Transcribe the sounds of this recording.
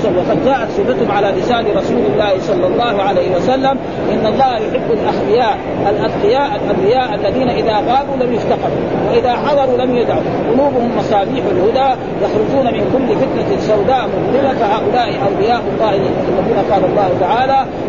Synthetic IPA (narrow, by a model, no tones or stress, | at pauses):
wɑqɑd̪d͡ʒaːʔat̪sˤɨfat̪hʊmʕalaːlɪsaːliɾˤɑsuːlɪlːaːhisˤɑlːɑlˤːɑːhuʕalejhiwasalːam | ʔɪnːɑlˤːɑːhajʊħɪbːalʔaxlɪjaːʔ | alʔad̪̚ˤqɪjaːʔlʔambɪjaːʔalːaðiːnaʔɪðaːɣaːluːlamjʊft̪ɑqɑd̪uwaʔɪðaːħɑd̪ˤɑɾˤuːlamjʊd̪ʕa | qʊluːbʊhʊmːɑsˤɑːliːħalhʊd̪aː | jɑxɾʊd͡ʒuːnamɪnkʊlːɪfɪt̪nasːawd̪aːʔmʊd̪ˤmɪlafahaːʔʊlaːʔɪʔawlɪjaːʔɑlˤːɑːhjat̪axalːɪmuːnaqɑːlɑlˤːɑːht̪aʕaːlaː